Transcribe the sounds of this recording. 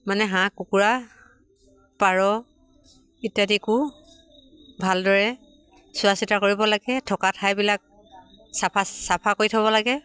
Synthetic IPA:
manɛɦãkukuɹa | paɹɔ | itadiku | bʱaldɔɹɛ | sʊasitakoɹibɔlaɡɛtʰɔkatʰajbilak̚ | sapʰasapʰakoɹitʰabɔlaɡɛ

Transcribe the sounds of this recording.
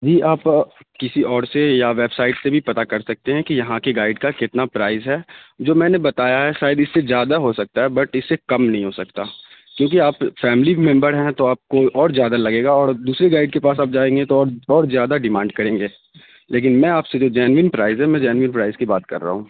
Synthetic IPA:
d͡ʒiːʔaːpkɪsiɔːɾsejaʋeːbsaːɪʈsebʱipɐt̪akɐɾsɐk̚t̪eɦɛ̃kijɐɦãkeɡaːɪɖkakɪt̪napɾaːɪzɦɛːd͡ʒoːmɛ̃ːnebɐt̪aːjaɦɛʃaːɪd̪ɪsːezjaːd̪aɦosɐk̚t̪aɦɛbɐʈɪsːekɐmnɐɦĩɦosɐk̚t̪aː | kjõːk̬iaːpfɛːmlimɛ̃mbəɾɦɛ̃t̪oaːp̚koʔɔːɾzjaːd̪alɐɡeːɡaɔːɾd̪uːsɾeɡaːɪɖ̚kepaːsaːp̚d͡ʒaːẽːŋɡet̪oɔːɾɔːɾzjaːd̪aɖɪmãːɳɖkɐɾẽːŋɡeː | leːk̬ɪnmɛ̃aːpsed͡ʒoːd͡ʒɛːnʋɪnpɾaːɪzɦɛmɛ̃d͡ʒɛːnʋɪ̃npɾaːɪzkibaːt̪kɐ̰ɾːa̰ɦũː

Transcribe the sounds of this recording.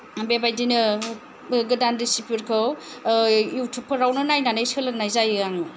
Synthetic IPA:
bebajdinɯ | ɡɯdandisipuɾkʰɯw | juwtʰupʰɯɾawnɯnajnanɯjsɯlɯk̚najzajaŋu

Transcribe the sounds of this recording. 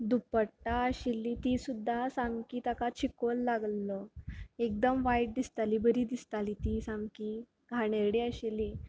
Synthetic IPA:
d̪upəʈaəɕilːit̪iːsud̪ʱːasãŋɡkiːt̪akat͡ɕʰikollaɡlɔek̚d̪əmʋajʈ̚d̪ist̪aliːbəɾiːd̪ist̪aliːt̪isãŋki | ɡʱaɽ̃eɽiəɕili

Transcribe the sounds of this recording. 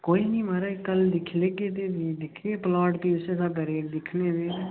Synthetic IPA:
koːiːnĩːmaːɾaːkəld̪ɪkʰleːɡeːt̪eːbid̪ɪkʰepəlaːʈpiːɪsesabɛːɾiːəʈd̪ɪkʰneːʋeː

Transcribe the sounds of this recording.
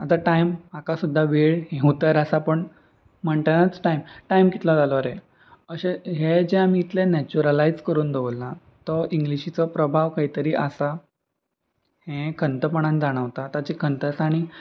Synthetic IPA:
at̪aʈajmakasud̪ʱːaʋeɭɦẽɦut̪əɾasapəɳ | məɳʈənat͡sʈajmʈajmkit̪lɔd͡zalɔɾe | əɕeɦed͡ʑeamiːt̪lenɛt͡ɕuɾəlaid͡zkəɾuːnd̪eʋəlːã | t̪ɔʔiŋɡliɕit͡sɔpɾəbʱaʋkaɦit̪əɾiːʔəsa | hẽkʰənt̪əpəɳ̃ãnd͡zaɽ̃əʋt̪at̪at͡ɕikʰənt̪əsaɽ̃i

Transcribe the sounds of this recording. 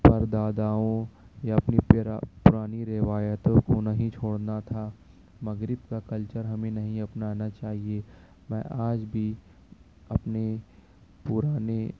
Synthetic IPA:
pɐɾd̪aːd̪aːõ | jaɐpnipʊɾaːniɾɪʋaːjət̪õkonɐɦĩt͡ʃʰoːɽnat̪ʰa | mɐɡɾɪbkakɐlt͡ʃəɾɦɐmẽnɐɦĩɐpnaːnat͡ʃaːɦie | mɛ̰̃ːʔaːd͡ʒbʱi | ɐpne | pʊɾaːne

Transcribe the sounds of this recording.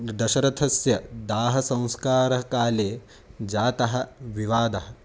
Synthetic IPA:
d̪ɐʃɐɾɐt̪ʰɐsjɐd̪aːɦɐsɐ̃w̃skaːɾɐɦɐkaːleː | d͡ʒaːt̪ɐɦɐ̆ʋiʋaːd̪ɐɦɐ

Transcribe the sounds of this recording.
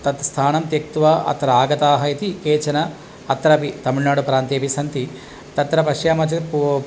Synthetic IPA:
t̪ɐt̪st̪ʰaːnɐmt̪ek̚t̪uʋɐʔɐ̰t̪ɾɐaːɡɐt̪aːɦɐit̪ikeːt͡ʃɐnɐ | ɐt̪ɾɐpit̪ɐmiɭnaːɽupɾaːnt̪eːpisɐnt̪i | t̪ɐt̪ɾɐpɐʂjaːmɐt͡ʃip

